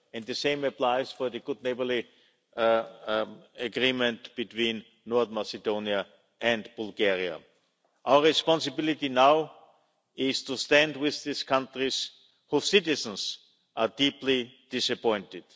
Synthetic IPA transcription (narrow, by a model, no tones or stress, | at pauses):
ɛ̃nd̪ðɨsẽɪ̃məplaɪsfɔ˞ðɨɡʊdⁿneɪbə˞li | əɡɹĩmə̃ntb̥itwĩnː | ɔɹθmasɨdõʊ̃niə | ʔɛ̃ndb̥ʊlˠɡɛɹia̰ | ʔaʊə˞ɹɪspɑ̃nsɨbɪlɪtinaʊ | ɪztʰustæ̃ndwɪððiskʰãntɹis | husɪtɪz̃n̩s | ʔadiplid̥ɪsəpɔ̃ɪ̃ntɪd̥